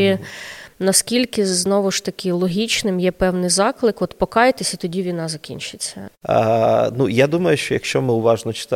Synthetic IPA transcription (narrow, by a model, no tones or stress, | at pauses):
i | nɐskʲilʲkɪznɔʋʊʃt̪ɐkʲɪlˠɔɦʲit͡ʃnɪmjɛpɛwnɪjzɑklˠɪkɔt̪pɔkɑjet̪esʲɐt̪ɔdʲiʋʲinɑzɐkʲḭnʲt͡ʃɪt͡sʲːɐ̰ | nujad̪umɐjʊʃt͡ʃɔjɐkʃt͡ʃɔmɪʊʋɑʒnɔt͡ʃɪ̥t̪